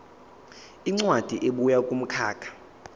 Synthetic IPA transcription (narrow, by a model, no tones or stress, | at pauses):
iŋ͡ǀwad̥ʱiʔeɓujakʼum̩kʰaːkʰḁ